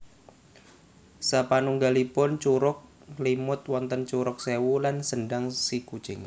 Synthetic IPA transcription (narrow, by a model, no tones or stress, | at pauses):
sapanuŋɡalipʊnt͡ʃuɾʊk̚ | limʊt̪̚wɔnt̪ənt͡ʃuɾʊk̚sewulansənɖaŋsiku̥t͡ʃɪŋ